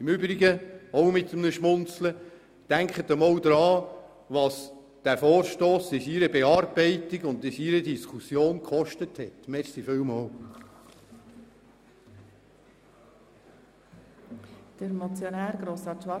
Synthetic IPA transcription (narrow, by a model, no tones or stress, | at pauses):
ɪmʏbɾiɡəɔwmɪt̪ːəmnəʃmʊnt͡slə | d̥æŋkχət̪əmɔwd̪ɾɑː | ʋɑs | d̥æɾfɔːɾʃtoːsɪsiɾəbeɑːɾbɛɪtiɡʊndɪsiɾədiskʰusjoːnkχɔʃtəthɛtmɛɾsiføwmɔw | d̪̥əɾmɔt͡sjonæːɾɡɾosɑtʋɑ